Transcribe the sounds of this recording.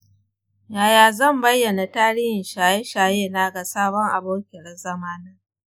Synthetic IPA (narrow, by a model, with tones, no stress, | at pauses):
jaː˨jaː˨zɐ˦˨mbɐ˦jːɐ˨na˨taː˦ɽiː˦hɪ˨nʃaː˨je˦ʃaː˨jeː˦˨na˦ɡa˨saː˦bɔ˦ŋʔa̰˨boː˦kʲɪ˨ɽɐ˦zɐ˦maː˦na˦